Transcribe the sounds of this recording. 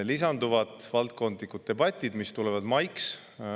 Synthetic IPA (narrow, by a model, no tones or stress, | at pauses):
lisɑnd̪uvɑt̪ˑvɑlt̪̚ko̞nd̪likud̪̥̚t̪e̞bɑt̪ʲːˑid̪̥mist̪ulevɑd̪̥mɑjks